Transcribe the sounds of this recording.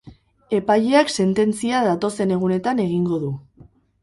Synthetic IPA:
e̞paʎeakse̞nt̪e̞nt͡siaðat̪o̞se̞ne̞ɣ̞une̞t̪ane̞ɣ̞iŋɡo̞ðu

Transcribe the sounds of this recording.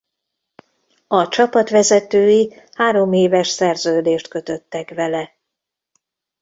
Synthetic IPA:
ɒt͡ʃɒpɒt̪ʋɛzɛt̪øːjihaːɾo̞meːvɛʃsɛrzøːd̪eːʃt̪kø̞t̪ø̞t̪ːɛkʋɛlɛ

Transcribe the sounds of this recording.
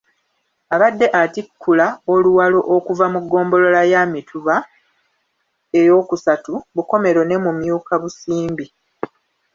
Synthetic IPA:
aβadːe̞ʔatikʰːulaoluwalo̞ʔokuvamuɡːo̞ːmbo̞lo̞lajamitʰuβa | e̞jo̞ːkusatuβuko̞me̞ɾo̞ne̞mumjuːkaβusiːmbi

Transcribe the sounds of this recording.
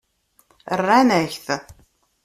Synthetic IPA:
ərːænæçθ

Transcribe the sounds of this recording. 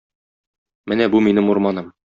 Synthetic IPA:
mɘnæbuminɘmuɾmɑnɤm

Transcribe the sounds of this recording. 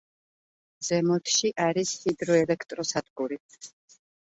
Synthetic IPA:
z̥ɛmɔt̪ʰʃiʔaɾishid̪ɾɔɛlɛkʰt̪ʼɾɔsad̪ɡuɾi

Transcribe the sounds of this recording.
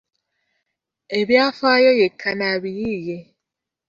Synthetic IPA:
ebjafajɔjekʰːanaβiɣije

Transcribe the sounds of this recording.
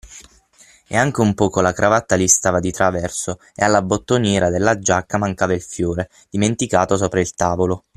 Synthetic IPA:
ḛaŋk̟eumpɔːkolakɾʔavat̪ːalist̪aːvad̪it̪ɾavɛrso | ḛalːabot̪ːonjɛːɾʔad̪elːad͡ʒakːamaŋkaːvailfjoːɾe | d̪̥iment̪ikaːt̪os̬oːpɾailt̪aːvolo

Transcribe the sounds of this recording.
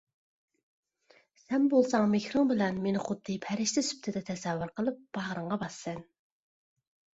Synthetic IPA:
sɛnbolˠsɑŋmexɾɪŋbɪlɛnmenɪχʊd̪̥ːɨpʰæɾɪʃlɪsy̥p̚t̪ʰɪd̪ɛt̪ʰɛsɛvːʊɾqʰəlˠɨp̚b̥ɑʁɾəɴʁɑbɑsːɛn

